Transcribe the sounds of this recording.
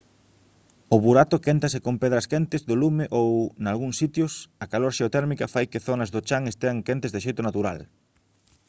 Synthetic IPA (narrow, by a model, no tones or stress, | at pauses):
ʊβuɾat̪ʊkent̪ɐsɪkompeðɾɐskɛnt̪ɪzðolumɪʔownalɣuŋsːit̪jʊsɐkaloɾʃeot̪ɛɾmikɐfajkɪθonɐzðot͡ʃaŋest̪eaŋkɛnt̪ɪzðeɪʃejt̪ʊnat̪uɾa̰l